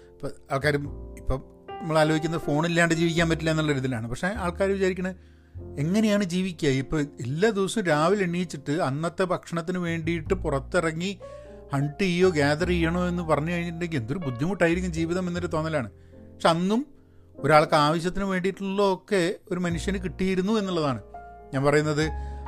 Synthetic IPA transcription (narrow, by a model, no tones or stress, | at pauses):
pːoaːɭkaːɾumipːo | ɐmːɐɭaːloːɡikʲːunːɐðfo̞ːɳilːaːɳɖed͡ʑiːʋik̬ʲːaːmpɐtːilːɐenːuɭːɐɾuːðilaːɳɨpɐkʂeaːɭkaːɾumʋit͡ɕaːɾikʲːuɳɐ | e̞ŋːɐnejaːɳɨd͡ʑiːʋikʲːuaːjiipːoːelːad̪iʋsumɾaːʋileɳːijit͡ɕːiʈːɨɐnːɐt̪ːe̞bʱɐkʂɐɳɐt̪ːinɨʋe̞ːɳɖijiʈːɨpurɐt̪ːirɐŋːi | hɐɳʈɨijːo̞ːɡeːd̪ɐrijːɐɳo̞ːe̞nːɨpɐrɐɲːukɐɻiɲːiʈ̬ːɳɖe̞ŋɡile̞nd̪o̞ɾubud̪ʱːjimuʈːaːjiɾikʲːumd͡ʑiːʋiðɐmenːɐɾut̪o̞ːnːɐlaːɳɨ | ppɐkʂe̞ɐnːum | o̞ɾaːɭkɨaːʋɐɕ̬jɐt̪ːinɨʋe̞ːɳɖijiʈːunlːookːe̞o̞ɾumɐnuʂjɐnɨkiʈːijiɾunːue̞nːuɭːɐðaːɳɨɲaːnpɐrɐjunːɐðɨ